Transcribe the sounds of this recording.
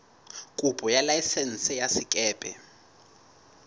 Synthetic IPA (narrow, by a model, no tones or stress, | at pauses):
kʼupʼɔjalajisɛnsɛjasikʼɛːpʼɛ̰